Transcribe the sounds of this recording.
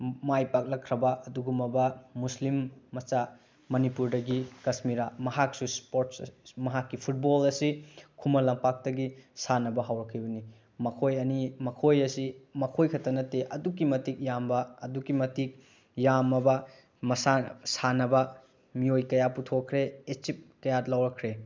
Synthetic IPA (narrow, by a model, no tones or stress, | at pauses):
majpak̚lɐkʰɾɐbɐɐduɡumɐbɐmuslimːɐt͡ʃa | mɐnipuɾdɐɡikɐsmiɾamɐɦak̚suspoɾtsmɐɦakːipʰut̚bolɐsikʰumɐlɐmpak̚tɐɡisanɐbɐɦawɾɐkʰɐjbɐni | mɐkʰojɐnimɐkʰojɐsimɐkʰojkʰɐtɐnɐteʔɐduk̬ːimɐtik̚jambɐːdukimɐtik̚ | jamɐbɐ | mɐsasanɐbɐ | miojkɐjaputʰokʰːɾeet͡ʃip̚kɐjalawɾɐkʰɾe